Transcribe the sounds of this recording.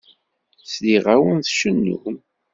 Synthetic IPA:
sliʁawənθʃənːṵm

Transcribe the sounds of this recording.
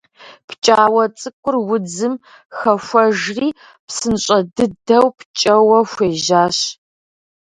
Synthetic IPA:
pʰt͡ʃʼaːwɐt͡sʼɨkʷʼʊrwʊd͡zɨm | xɐfʷɐʒriː | psɨnɕʼɐdɨdɐwpʰt͡ʃʼɐwɐxʷeːʒaːɕ

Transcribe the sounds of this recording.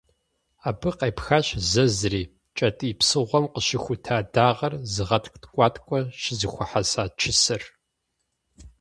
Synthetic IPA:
aːbɨqejpxaɕzɐzɨriː | t͡ʃʼɐtʼɨːpsɨʁʷɔmqəʃɪxʷʊtʰaːdaːʁɐrzɨʁɐtʰktʰkʷʼɑːtʰʼkʷʼɔʃɪzɨxʷʊħasaːt͡ʃʰɪsɨr

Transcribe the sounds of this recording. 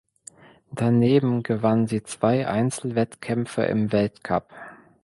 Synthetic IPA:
d̥aneːbm̩ɡəvanziːt͡sv̥aɪʔa̰ɪnt͡sl̩vɛtkʰɛmfɐ̰ʔɪ̰mvɛltkʰap

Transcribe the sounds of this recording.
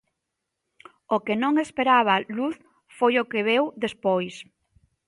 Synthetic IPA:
okenõŋespeɾaβ̞ɐluθ | fojokeβewðespojs

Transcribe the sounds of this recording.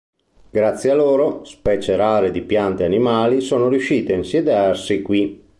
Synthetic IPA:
ɡ̥ɾat̪sːjealoːɾospɛːt͡ʃeɾaːɾed̪ipjant̪eanimaːlisoːnoɾjuʃːiːt̪eainsjed̪earsikwi

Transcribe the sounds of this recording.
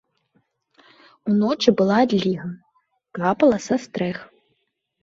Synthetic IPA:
unɔt͡ʃibɨlˠad̪ʲlʲiɦɐ | kapɐlˠɐsɐst̪ɾɛx

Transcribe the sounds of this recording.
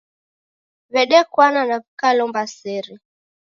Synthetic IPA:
βɛɗɛkwananakukalɔmbasɛɾɛ

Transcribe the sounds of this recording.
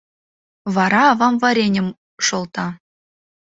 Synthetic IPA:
vɑɾɑːvɑmvɑɾʲenʲɘ̆m | ʂolˠt̪ɑ

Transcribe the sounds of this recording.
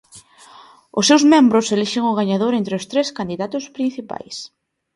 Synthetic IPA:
ʊsːewzmẽmbɾʊseliʃeŋʊɣ̞aɲaðoɾent̪ɾeʊst̪ɾeskand̪iðat̪ʊspɾin̟θipa̰js

